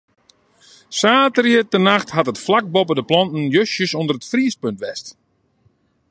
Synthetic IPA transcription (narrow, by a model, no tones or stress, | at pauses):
saːtərəətənaxthatətflak̚bɔpədəplɔntn̩jøsjəsondərətfriːspøntʋɛst